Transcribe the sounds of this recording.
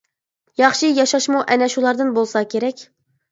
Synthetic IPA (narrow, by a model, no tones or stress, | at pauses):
jɑχʃijɑʃɑʃmuʔɛnɛʃulˠɑɾd̪ɨnbolˠsɑkʲʰeɾɛkʲ